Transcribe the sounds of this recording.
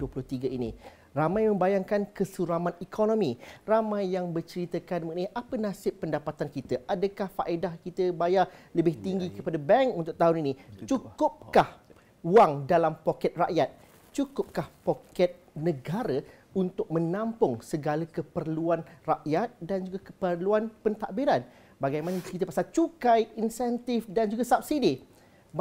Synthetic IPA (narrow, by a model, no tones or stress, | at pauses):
uəpulʊht̪iɡainḭ̃ | ramãjmə̃mbajaŋkankəsuɾamãnikʰonõmĩramãjːaŋbərt͡ʃəɾit̪əkanməkniʔapənãsɪpːəndapat̪ankit̪aʔadakahfaʔedahkit̪əbajaləbɪht̪iŋɡikəpadabɛŋkunt̪ʊk̚t̪aɦʊninit͡ʃukʊp̚kkah | waŋdalampokɛt̪̚raʔjat̪̚ | t͡ʃukʊp̚kahpokɛt̪̚nə̃ɡaɾə | unt̪ʊk̚mə̃nãmpʊŋsəɡalakəpərluanraʔjat̪̚dand͡ʒuɡakəpərluanpənt̪aʔbiɾan | baɡajmãnəkit̪əpasalt͡ʃukajinsɛnt̪ɪfdand͡ʒuɡasap̚sidi